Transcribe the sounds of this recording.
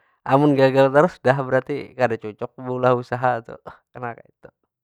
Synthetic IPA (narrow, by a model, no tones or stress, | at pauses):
ʔamʊnɡaɡalt̪aɾʊsudaɦbəɾart̪ikadat͡ʃot͡ʃɔk̚buulahusaɦaːt̪ṵkənaka̰it̪u